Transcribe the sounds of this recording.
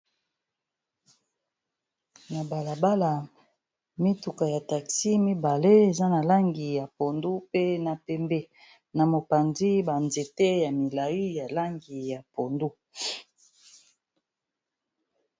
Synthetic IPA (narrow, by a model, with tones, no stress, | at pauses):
na˨ba˨la˨ba˦la˨ | mi˦tu˨ka˨ja˨ta˨ksi˦mi˦ba˨le˦e˨za˦na˨la˦ŋɡi˨ja˨po˨ndu˦pe˦na˨pɛ˨mbe˦ | na˨mo˨pa˨nzi˦ba˨nze˨te˦ja˨mi˨la˨ji˦ja˨la˦ŋɡi˨ja˨po˨ndu˦